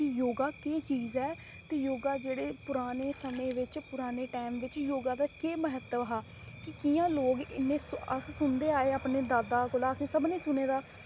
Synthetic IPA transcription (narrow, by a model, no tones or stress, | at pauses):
kɪjoːɡaːkeːt͡ʃiːzɛː | t̪eːjoːɡaːd͡ʒeːɽeːpʊɾaːneːsəmẽːʋɪt͡ʃpʊɾaːneːʈaːmʋɪt͡ʃjoːɡãːd̪aːkeːməɦət̪əɦaː | kɪkɪjãːloːɡɪ̰nːẽːsə̰sʊnd̪eːaːeːaːpneːd̪aːd̪aːkʊlaːəsĩːsəbnĩːsʊneːd̪aː